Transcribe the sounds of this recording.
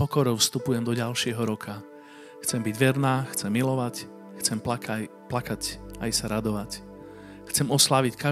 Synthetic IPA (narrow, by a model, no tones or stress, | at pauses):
pɔkɔɾɔʊfst̪upujɛmd̪ɔɟalʃɪɛɦɔɾɔkʰa | xt͡sɛmbiɟʋɛɾnaːxt͡sɛmːilɔʋac | xt͡sɛmplakacajsaɾad̪ɔʋac | xt͡sɛmɔslaʋicka